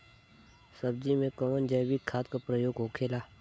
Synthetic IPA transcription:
səb̚d͡ʒimẽkəmənd͡ʒəjwikʰaːt̪kapɾəjoːɡɦoːkʰeːlaː

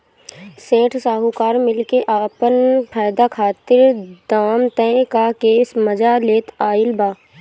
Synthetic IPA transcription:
sẽːʈʰsaːɦukaːɾmɪlkeʔaːpənpʰaːd̪akʰaːt̪ɪɾd̪aːmt̪ɛ̃kakeːsmɐd͡ʒaleːt̪aːɪlbaː

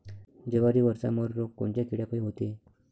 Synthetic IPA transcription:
d͡ʑeʋaɾiːʋəɾt͡sa̰məɾɾokːoɳt͡ɕjakiɽjapəjɦot̪e

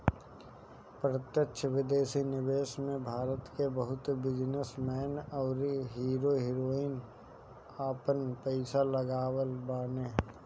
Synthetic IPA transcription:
pɾət̪jəkʃʰʋɪd̪eːsinɪʋeːʃmẽbʱaːɾət̪kebəɦʊt̪bɪd͡ʒnəsmɛːnɔːɾɦiːɾoɦiːɾoːɪn | aːpənpɛɪsaləɡaːwəlbaːneː

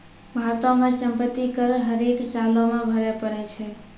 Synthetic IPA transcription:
bʱaɾt̪omesəmpət̪ːikəɾɦəɾeksalõmebʱəɾɛpəɾɛt͡ʃʰɛ

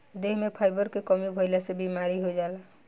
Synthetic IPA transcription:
d̪eɦmepʰajbəɾkekəmibʱəjlasebimaɾiɦojd͡ʒala

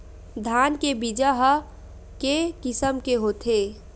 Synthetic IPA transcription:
d̪ʱankebid͡ʒəɦə | kekɪsəmkeɦot̪ʰe

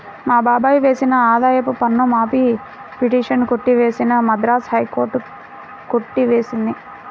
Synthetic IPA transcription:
maːbaːbaːjuʋe̞ːsinɐaːd̪aːjɐpupɐnːomaːpi | piʈiːʂɐnkoʈːiʋe̞ːsinɐmɐd̪ɾaːshɐjko̞ːɾʈu | koʈːiʋe̞ːsind̪i

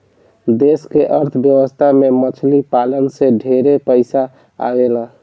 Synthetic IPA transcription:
d̪eskeʔəɾt̪ʰəbjəwəst̪ʰamemət͡ʃʰlipalənsẽɖʱeɾepəɪsa | a̰ela

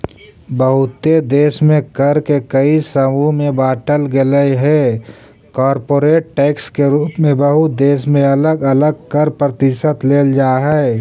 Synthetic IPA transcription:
bəɦʊt̪ed̪eːʃmẽkəɾkekəisəmũmẽbaːʈəlɡɪləiɦɛː | kɔːɾpoːɾeːʈʈːɛːkskeɾuːpmẽbəɦʊt̪̚d̪eːʃ̬mẽɐləɡələɡ̚kəɾpɾət̪ɪʃət̪leːld͡ʒaːɦɛː

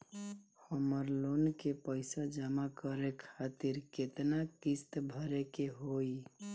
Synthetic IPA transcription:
həməɾlonkepəɪsad͡ʒəmakəɾekʰat̪iɾket̪nakist̪bʱəɾekeɦoi

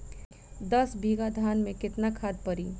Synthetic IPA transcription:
d̪ɐsbʱiːɡad̪ʱaːnmẽkɪt̪nakʰaːd̪̚pɐɾiː

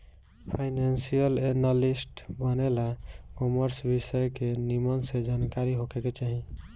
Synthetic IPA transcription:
pʰaɪnansijəlenalisʈbənelakɔməɾsbisəjkenimənsed͡ʒankaɾiɦokeket͡ʃaɦĩ

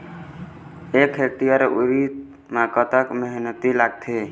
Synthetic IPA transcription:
eːkʰek̚t̪ijaɾeʔuɾit̪ | makət̪əkməɦnət̪ilaɡt̪ʰe

